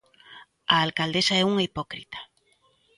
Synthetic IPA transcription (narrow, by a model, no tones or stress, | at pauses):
aːlkald̪esaɛuŋipokɾit̪ḁ